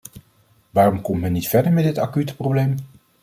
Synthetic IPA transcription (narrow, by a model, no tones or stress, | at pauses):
ʋaːrɔmkɔmtmɛnːitfɛɹdəɹmɛdɪtakytə̥prowblejm